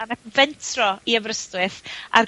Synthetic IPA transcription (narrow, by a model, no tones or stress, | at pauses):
anɛvɛntʰrɔiəvrəstwɨθa̰r